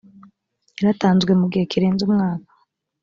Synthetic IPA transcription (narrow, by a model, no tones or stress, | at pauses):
iɾataːnzɡwemuɡihekiɾeːnzumŋaːkḁ